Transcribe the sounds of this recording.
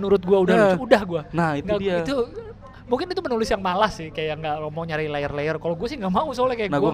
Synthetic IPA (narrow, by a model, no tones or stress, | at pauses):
nuɾʊt̪̚ɡuaudaudahɡuanahitŋɡaiait̪u | muŋkɪnit̪upənulɪsjaŋmalahsɪhkajaʔŋɡaʔmɔɲaɾilaərlaərkaloɡuasɪhŋɡaʔmausolɛhkajaknaɡua